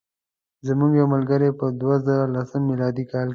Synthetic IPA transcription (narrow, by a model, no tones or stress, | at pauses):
zəmuŋɡjawməlɡəɾepəd̪wazəɾalasəmːilɑd̪ikɑːlk